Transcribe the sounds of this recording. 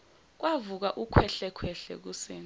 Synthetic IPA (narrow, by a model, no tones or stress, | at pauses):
k̬wavuk̬aʔukʰwɛɬɛkʰwɛɬɛ̰k̬useːn